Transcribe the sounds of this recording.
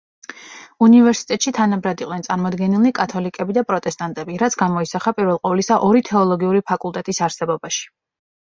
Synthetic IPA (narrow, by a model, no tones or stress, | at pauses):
univɛɾsi̥t̪ʼɛt̪ʼʃit̪ʰanabɾad̪iqʼnɛnsʼaɾmɔd̪ɡɛnilikʼat̪ʰɔlikʼɛbid̪apʼɾɔt̪ʼɛst̪ʼant̪ʼɛbiɾat̪sʰɡamɔisaχapʼiɾvɛlˠqʼɔvlisaʔɔɾit̪ʰɛɔlˠɔɡiuɾipʰakʼulˠt̪ʼɛt̪ʼisaɾsɛbɔbaʃi̥